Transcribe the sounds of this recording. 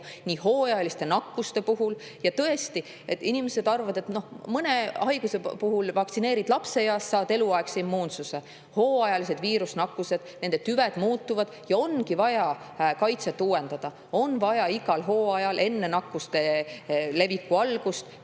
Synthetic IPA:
niːɦo̞ːjɑjɑlist̪e̞nɑkːust̪e̞puɦul | jɑt̪ɤe̞st̪i | et̪ːinime̞se̞d̪ɑrvɑd̪e̞t̪no̞hmɤne̞ɑjɡ̥use̞puɦulvɑkt̪sineːɾid̪lɑpse̞jɑst̪ːsɑːd̪̥e̞luɑeksimːuːnsuse | ho̞ːɑjɑlise̞d̪viːɾusnɑkːˑuse̞d̪̥ne̞nd̪e̞t̪yved̪̥muːt̪ːuvɑd̪̥jɑo̞nkivɑjɑ | kɑjt̪set̪ːˑuːe̞nd̪̥ɑd̪̥ɑ | o̞nvɑjɑiɡɑlɦo̞ːɑjɑlʔe̞nːe̞nɑkːust̪e̞le̞vikːuɑlɡ̥ust̪

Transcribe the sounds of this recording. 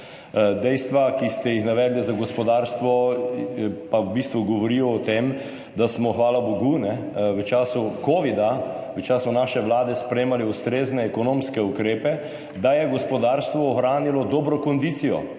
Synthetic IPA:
d̪ɛjst̪ʋakist̪ɛjixnaʋɛːd̪lɛzaɡɔspɔd̪aːɾst̪ʋɔ | pawbist̪ʋuɡɔʋɔɾijɔɔt̪em | d̪asmɔxʋaːlaboɡunɛ | ʋət͡ʃaːsukoːʋid̪aʋət͡ʃaːsɔnaʃɛʋlaːd̪ɛspɾɛjemalɛust̪ɾeːznɛːkɔnõmskɛukɾeːpɛ | d̪ajɛɡɔspɔd̪aːɾst̪ʋɔːxɾaːnilɔd̪oːbɾɔkɔnd̪it̪sijɔ̰

